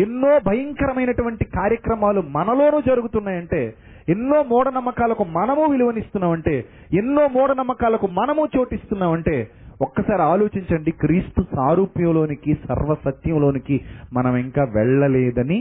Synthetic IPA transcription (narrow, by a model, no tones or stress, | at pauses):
enːo̞ːbʱɐjɐŋkɐɾɐmɐjnɐʈuʋɐɳʈikaːɾjɐkɾɐmaːlumɐnɐlo̞ːnuːd͡ʒɐɾuɡut̪unːaːjɐɳʈe̞ː | enːo̞ːmɔːɽɐnɐmːɐkaːlɐkumɐnɐmuːʋiliʋɐnist̪unːaːmɐɳʈe̞ː | enːo̞ːmɔːɽɐnɐmːɐkaːlɐkumɐnɐmuːt͡ʃo̞ːʈist̪unːaːmɐɳʈe̞ː | ɔkːɐsaːɾiaːlo̞ːt͡ʃiɲt͡ʃɐɳɖikɾiːst̪usaːɾuːpjɐmlo̞ːnikisɐ̰ɾʋɐsɐt̪jɐmlo̞ːnikimɐnɐmiŋkaːʋɛɭːɐlɛːd̪ɐni